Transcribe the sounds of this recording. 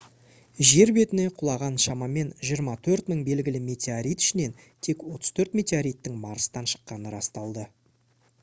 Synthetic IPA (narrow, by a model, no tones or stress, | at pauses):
ʒe̞ɾbe̞t̪ɪne̞qʰʊlˠɑʁɑnʃɑmɑme̞nʒijəɾmɑt̪ʰɵɾt̪məɴbe̞lɡʲɪlɪmʲe̞t̪ʰʲeaɾijt̪ʏ̥ʃɪne̞n | t̪ʰe̞kwo̞t̪ə̥z̥t̪ʰɵɾt̪mʲe̞t̪ʲeaɾijt̪ːɪŋmɑɾəst̪ɑnʃə̥qːɑnəɾɑst̪ɑlˠd̪ə